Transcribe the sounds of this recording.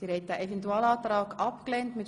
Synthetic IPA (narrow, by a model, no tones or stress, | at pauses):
siːɾhɛt̚d̥æːʔefɛntuaːlɑːtɾɑːkɑpklɛːntmɪt